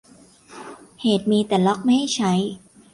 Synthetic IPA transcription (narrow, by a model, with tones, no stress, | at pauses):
heː˨˩t̪̚miː˧t̪ɛː˨˩lɔ˦˥k̚ma˥˩jha˥˩jt͡ɕʰa˦˥j